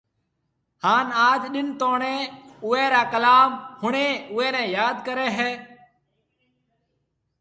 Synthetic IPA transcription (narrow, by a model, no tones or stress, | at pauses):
haːnaːd͡ʒɗɪnt̪oːɳẽːʊeːɾaːkəlaːmhʊɳeːʊeːnɛ̃ːjaːd̪kəɾeːɦɛː